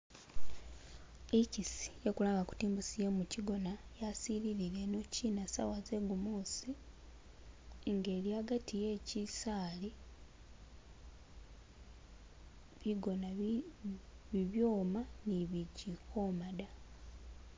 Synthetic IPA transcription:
icisi̥jekulaːŋɡaku̥tiːmbusijemuciɡo̞najasiɾiɾiɾe̞no̞ciːnasa̰waze̞ɡumuːsi | ŋɡe̞ːliaɡatije̞ːcisaːli | βiɡo̞na | βiβjo̞ːmaniβiɟikʰomada

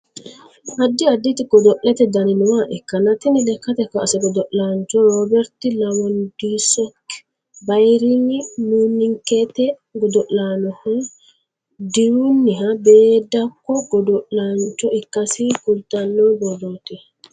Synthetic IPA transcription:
ʔɐd̪ːɪɐd̪ːɪt̪ɪɡɔd̪ɔʔɛt̪ɛd̪ɐnɪnʊwaʔɛkːɐnɐt̪ɪnɪnɛkːɐt̪ɛkɐʔsɛɡɔd̪ɔʔlaːnt͡ʃɔɾɔːbɛɾt̪ɪlɐwɔnd̪isɔk | bɐjɾɪŋɪnuːnːɪŋket̪ɛ | ɡɔd̪ɔʔlaːnɔhɔ | d̪ɪɾunːɪɦɐbeːd̪ɐkːɔɡɔd̪ɔʔlaːnt͡ʃːɔɪkːɐsikʊlt̪ɐnːɔːbɔd̪oːt̪ɛ

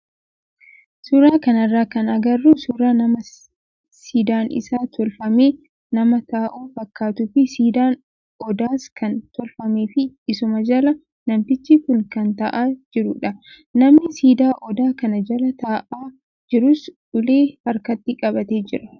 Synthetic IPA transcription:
sʊɾaːkɐnɐrːaːkɐnɐɡɐrːuːsʊɾaːnɐmɐ | siːd̪aːnɪ̰saːt̪ʰɔlfɐmeː | nɐmɐt̪aːʔuːfɐkːaːt̪ʊfɪsiːd̪aːn | ɔd̪aːskɐnt̪ɔlfɐmeːfɪɪsʊmɐd͡ʒɐlɐ | nɐmfɪt͡ʃːikʊnkɐnt̪ɐʔaːd͡ʒɪɾʊᶑɐ | nɐmnɪsiːd̪aːʔɔd̪aːkɐnɐd͡ʒɐlɐt̪aːʔaː | d͡ʒɪɾʊsᶑʊleːhɐɾkɐt̪ːɪkʼɐbɐt̪e̞ːd͡ʒɪɾɐ

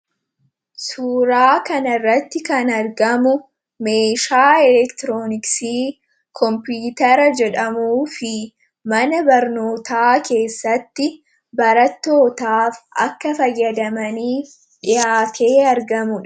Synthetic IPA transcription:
suːɾaːkɐnɐrːɐt̪ːɪkɐnɐɾɡɐmʊ | me̞ːʃaːɛlɛkt̪ɪɾoːnɪksiː | kʰɔmpuːt̪ɐɾɐd͡ʒɛᶑɐmuːfɪ | mɐnɐbɐɾno̞ːt̪aːke̞ːsːɐt̪ːɪ | bɐɾɐt̪ːo̞ːt̪aːfʔɐkːɐfɐjːɐd̪ɐmɐniː | ᶑɪjaːt̪ʰe̞ːɐɾɡɐmʊᶑɐ̥

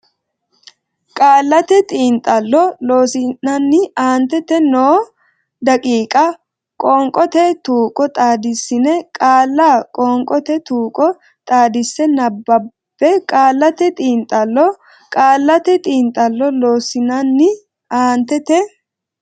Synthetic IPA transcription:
kʼaːlːɐt̪ɛt̪ʼiːnt̪ʼːɐlːɔloːsɪnːɐnːɪaːnt̪ːɛt̪ɛnoː | d̪ɐkʼiːkʼɐ | kʼɔŋkʼɔt̪ɛt̪uːkʼɔt̪ʼaːd̪ɪsːɪnɛkʼaːlːaːkʼɔːŋkʼɔt̪ɛt̪uːkʼɔ | t̪ʼaːd̪ɪsːɛnɐbːɐ | bːɛkʼaːlːɐt̪ɛt̪ʼiːnt̪ʼɐlːɔ | kʼaːlːɐt̪ɛt̪ʼiːnt̪ʼɐlːɔloːsɪnɐnːɪ | aːnt̪ːɛt̪ɛ

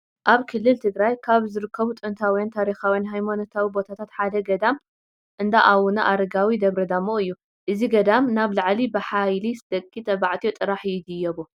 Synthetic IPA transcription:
ʔaβkʰɨlːɨlt̪ʰɨɡɾajkʰaβzɨɾɨkʰːɐβut̪ʼɨnt̪ʰawjant̪ʰaɾixawijanɦajmonot̪ʰawibo̞t̪ʰat̪ʰat̪ħad̪ɐɡɐd̪am | ʔɨnd̪aʔawunaʔaɾɐɡawid̪ɐβɾɐd̪amːoɨjːu | ʔɨziɡɐd̪amnaβlaʕlibɨħajlisɨd̪̥ɐkʼːit̪ʰʼɐβaʕt̪ʰiot̪ʼɨɾaħjɪd̪ɨjːɐβu

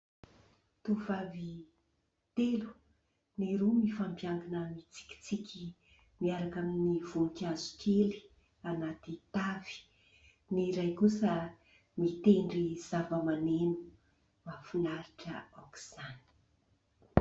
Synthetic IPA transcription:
t̪uvavi | t̪elu̥ | niɾumifampjaŋɡanəmit͡si̥kʲi̥t͡sikʲʰi | miaɾakaminiv̥unukazu̥keli̥ | anat̪it̪avi̥ | niɾajkusə | mit̪eɳɖ͡ʐiz̥avəmanenu̥ | mafinaɾiʈ͡ʂə̰aku̥z̥ani̥

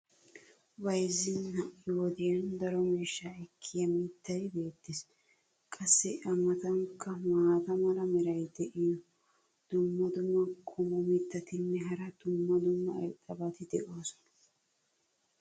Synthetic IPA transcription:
bɐjzːɪnhɐʔɪwɔd̪ɪjɐnd̪ɐɾɔmiːʃːaɛkʰːɪjɐmit̪ːɐjbe̞ːt̪ːɪs | kʼɐsːɛʔɐmɐt̪ɐŋkːɐmaːt̪ɐmɐlɐmɛɾɐjd̪ɛʔɪjɔ | d̪̥ʊmːɐd̪ʊmːɐkʼʊmɔmɪt̪ːɐt̪ɪnːɛɦɐɾɐd̪̥ʊmːɐd̪ʊmːɐɐ̰jt̪ʼːɐbɐt̪ɪd̪ɛʔoːsɔ̥nɐ̥

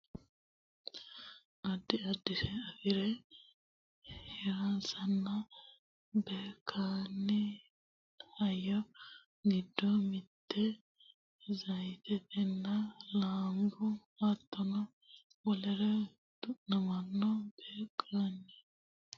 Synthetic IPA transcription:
ʔɐd̪ːɪɐd̪ːɪsɛɐfɪɾɛ | hɛɾasɐnːɐ | beːkʰːaːnːɪ | ɐjːɔ | ɡɪd̪ːɔmɪt̪ːɛ | zɐjt̪ɛt̪ɛnːɐlaːŋɡɔ | at̪ːɔnɐ | wɔlɛɾɛ | d̪̥ʊʔnɐmɐnːɔb̥eːkʼːaːnːɪ

